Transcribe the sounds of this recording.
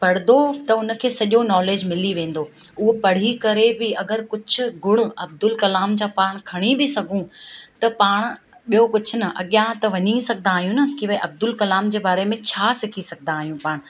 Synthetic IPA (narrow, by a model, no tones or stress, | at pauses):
pɐɽɪd̪ot̪ɐʊnə̆kʰeːsɐʄonɔːleːd͡ʑmɪliʋẽːn̆d̪o | ʊɦopɐɽ̤ikɐɾebɪɐɡəɾkʊd͡ʑʱʊ̆ɡʊɽ̃ʊ̆ɐb̚d̪ʊlkɐlaːmd͡ʑãːpaːɽ̃kʰɐɽ̃ibɪsɐɡʱũt̪ɐpaːɽ̃̆ | ɓijokʊd͡ʑʱʊ̆nɐʔɐ̰ɠjãt̪ɐʋɐɲisɐɡʱnaːɦijũnɐkiʋʔɐb̚d̪ʊlkɐlaːmd͡ʑeːbaːɾemẽt͡ɕʰaːsɪkʰisɐɡ̚ʱd̪aːɦijũpaːɽ̃